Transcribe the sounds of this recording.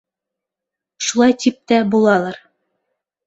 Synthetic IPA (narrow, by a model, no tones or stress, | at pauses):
ʃulˠɑjt̪ip̚t̪æbulˠɑlˠɑɾ